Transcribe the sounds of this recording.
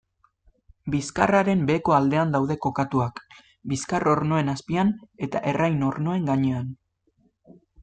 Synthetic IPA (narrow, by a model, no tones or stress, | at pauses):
biskaraɾe̞mbe̞ko̞ald̪e̞and̪awðe̞ko̞kat̪uak | biskarʔo̞ɾno̞e̞naspiane̞t̪a̰ʔe̞rʔajno̞ɾno̞e̞ŋɡaɲe̞an